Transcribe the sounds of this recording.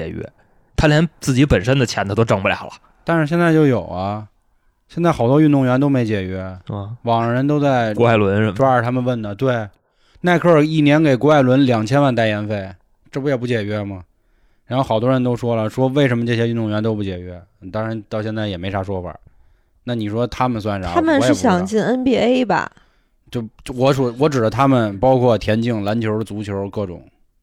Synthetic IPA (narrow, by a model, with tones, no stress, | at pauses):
ɛ˨˩ɥɛ̰˧˥ | t̪ʰa˥ljɛ˧˥nt͡sɹ̩˥˩t͡ɕi˧˥pə˨˩nʂə˥nd̪ə˨t͡ɕʰjɛ˧˥nt̪ʰa˧˩t̪o˥ʊʈ͡ʂɤ˥˩ŋpu˥˩ljɑ̰˨˩ʊlə̰˦ | t̪a˥˧nʂɻ̩˥˧ɕjɛ˥˧nt͡sa˥˧ɪt͡ɕjo˥˩ʊjo˨˩ʊɐ˦ | ɕjɛ˥˧nt͡sa˥˩xɑ˨˩ʊt̪wɔ˥y˥˧nt̪d̪ʊ˥˩ŋɥɛ˧˥nt̪̬o˥ʊme˧˥ɪt͡ɕjɛ˨˩t͡ɕɥɛ˧˥wɑ˨˩ŋ˧˩ɻə˧˥nt̪̬o˥ʊt͡sa˥˧ɪkɔ˧˥a˥˩ɪlwə˧˥nʈ͡ʂwa˥ə˨˩t̪ʰa˥mə˨wə˥˩nnə˩t̪we˥˩ɪ | na˥˧ɪkʰɤ˥˩i˥˩njɛ˧˥nke˨˩ɪkwɔ˧˥a˥˩ɪlwə˧˥nljɑ˨˩ŋt͡ɕʰjɛ˥nwa˥˧nt̪a˥˩ɪjɛ˧˥nfe˥˩ɪ | ʈ͡ʂɤ˥˩pu˥jɛ˨˩p̬u˥˩t͡ɕjɛ˨˩t͡ɕɥɛ˧˥mɐ˨ | ɻa˧˥n˥xo˧˩xɑ˨˩ʊt̪wɔ˥ɻə˧˥nt̪o˥ʊʂwɔ˥lə˨ʂwɔ˥we˥˩ɪʂə˧˥mə˧ʈ͡ʂɤ˥˩ɕjɛ˥y˧nʊ˥ŋɥɛ˧˥nt̪o˥pu˥˩t͡ɕjɛ˨˩t͡ɕɥɛ˧˥˨t̪ɑ˥ŋɻa˧˥nt̪ɑ˥˧ʊɕjɛ˥˧nt͡sa˥˩ɪjɛ˨˩me˧˥ɪʂʰa˧˥ʂwɔ˥fa̰˨˩˦ | na˥˩ni˨˩ʂwɔ˥t̪ʰa˥mə˨ns̬wa˥˩nʈ͡ʂa˨˥a˥mə˨n˧˥ʂɻ̩˥˩ɕjɑ˨˩ŋt͡ɕi˥˩nə˥npjɛ˥˧˩e˥ɪbɐ̰˧˨ | t͡ɕjo˥˩˥wɔ˧˥ʂɔ˥˩wɔ˧˥ʈ͡ʂɻ̩˨˩d̪ə˦t̪ʰa˥mə˨npɑ˥ʊkʰwɔ˥˩t̪ʰjɛ˧˥nt͡ɕi˥˩ŋla˧˥nt͡ɕʰjo˧˥ʊ˥ə˧t͡su˧˥t͡ɕʰjo˧˥ʊ˧kɤ˥˩ʈ͡ʂʊ̰˨˩˦ŋ